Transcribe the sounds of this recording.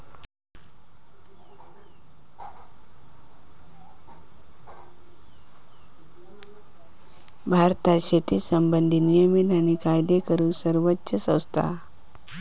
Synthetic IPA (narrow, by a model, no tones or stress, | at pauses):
bʱaɾt̪aɕet̪ʰiːsəmbənd̪ʱinijəminañikajd̪ekəɾuːsəɾʋətːɕəsə̃w̃st̪ʰa̰